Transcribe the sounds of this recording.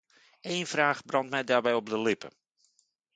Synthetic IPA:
eːnfraːχbrɑntmɛjdaːrbɛjɔb̚dəlɪpə̰

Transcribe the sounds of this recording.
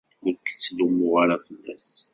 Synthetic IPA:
ʊɾkːə̥t͡sːlumʊʁaɾafəlːæs

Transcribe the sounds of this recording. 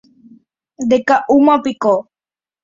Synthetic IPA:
d̪ekaʔumãpiko

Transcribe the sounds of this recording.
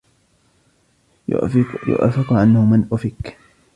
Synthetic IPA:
jʊ̰ʔa̰fɪqʕanhʊmanʔʊfɪk

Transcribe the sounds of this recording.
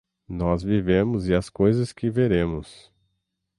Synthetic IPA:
nɔzvivẽmʊzɪɐskojzɐskɪveɾẽmʊs

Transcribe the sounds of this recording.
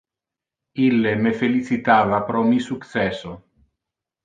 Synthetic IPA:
ilːemefelit͡ʃit̪aːvapɾɔmisuk̪sɛso

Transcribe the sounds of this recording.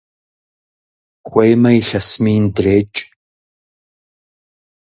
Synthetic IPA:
kʷʰɐjmɐjiɬɐsmiːndɨreːt͡ʃʼ

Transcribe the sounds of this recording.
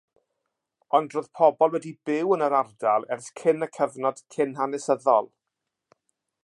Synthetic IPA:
ɔndroːðpʰɔbɔlˠwɛdibɪwənəɾardalˠɛrskʰɪnəkʰəvnɔd̥kʰɪnɦanɛsəðɔlˠ

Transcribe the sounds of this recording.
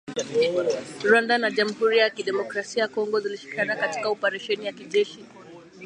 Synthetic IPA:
ɾwandanaʄam̩huɾijakiɗɛmɔkɾasiaakɔŋɡɔziliʃi̥kanakati̥kaɔpaɾɛʃɛnijakiʄɛʃi

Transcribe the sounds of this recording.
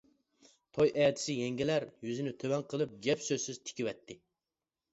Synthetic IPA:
t̪ʰojʔɛːt̪ʰɪ̥sɪjɛŋɡʲilæɾjyzɪnɪt̪ʰøwɛnqʰəlˠɨp̚ɡʲɛpsøzsɪzt̪ʰɪ̥kʲiwɛt̪ʰːɪ

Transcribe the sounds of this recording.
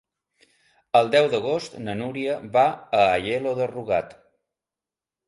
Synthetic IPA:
əlˠd̪ɛwd̪əɣost̪nənuɾiəβaəːʎeloðəruɣat̪

